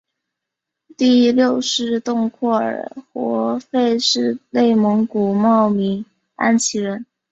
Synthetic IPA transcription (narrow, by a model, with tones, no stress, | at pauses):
t̪i˥˧ljo˥˧ʊʂɻ̩˥˧t̪ʊ˥˧ŋkʰɔ˥˩ə̰˞˨˩xwɔ˧˥fe˥˧ɪʂɻ̩˥˧le˥˩ɪmɤ˧˥ŋku˨˩mɑ˥˩ʊmi˧˥ŋ | a̰˥nt͡ɕʰi˧˥ɻə˧˥n